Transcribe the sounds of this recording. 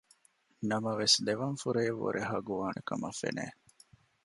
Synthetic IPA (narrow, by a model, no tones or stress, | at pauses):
nɐmɐʋesleʋɐŋfuɾeʋːo̰ɾʔeɦɐɡuʋaːnekɐmɐfḛnḛː